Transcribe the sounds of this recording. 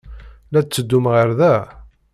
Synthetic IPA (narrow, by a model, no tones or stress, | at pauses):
læt͡sːəd̪ːumʁəɾðæ